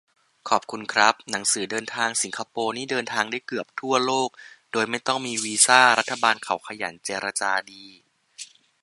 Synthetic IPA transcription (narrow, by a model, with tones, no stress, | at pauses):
kʰɔː˨˩p̚kʰu˧nkʰɾa˦˥p̚na˩˦ŋsɯː˩˦dɤː˧nt̪ʰaː˧ŋsi˩˦ŋkʰa˧poː˧niː˦˥˩dɤː˧nt̪ʰaː˧ŋdaː˥˩jkɯ˨˩əp̚t̪ʰu˥˩ɐloː˥˩k̚doː˧jma˥˩jt̪ɔ˥˩ŋmiː˧wiː˧saː˥˩ɾa˦˥t̪ʰːa˧baː˧nkʰa˩˦wkʰa˧ja̰˩˦nt͡ɕeː˧ɾa˧t͡ɕaː˧diː˧